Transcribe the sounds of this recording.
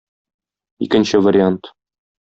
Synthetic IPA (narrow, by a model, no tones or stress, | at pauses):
ḭkɘ̆nɕɘvɐɾʲɪant̪